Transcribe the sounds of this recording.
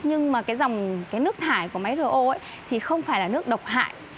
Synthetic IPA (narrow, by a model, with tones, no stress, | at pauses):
ɲɨ˧ŋmaː˨˩kaː˨˦jza˨˩wŋ͡mkaː˨˦jnɨ˦˥ək̚t̪ʰaː˧˩jku˧˩əma˨˦jzɨ˨˧˩ʔo̰˧˨ʔə˧˨˦j | t̪ʰi˨˩xə˧wŋ͡mfaː˧˩jlaː˨˩nɨ˦˥ək̚ɗə˨˩wk͡p̚t̪ʰa̰ː˧˨j